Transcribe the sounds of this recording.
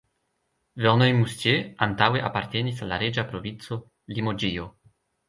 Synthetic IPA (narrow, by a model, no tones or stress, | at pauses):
veʁnojmust̪jeant̪aweʔapaɾt̪enisalːaɾed͡ʒapɾovint̪so | limod͡ʒio